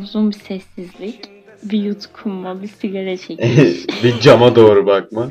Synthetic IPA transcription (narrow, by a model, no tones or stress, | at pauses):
uzunbisɛsːizlʲic | bijut̪kʰunmabisiɡaɾɛt͡ʃʰɛcbid͡ʒamad̪o̞ːɾubak̚ma